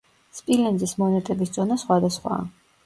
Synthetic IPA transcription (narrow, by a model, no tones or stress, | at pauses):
spʼilɛnd̪zismɔnɛt̪ʼɛbisd̪zʼɔnasχwad̪asχwa̰ː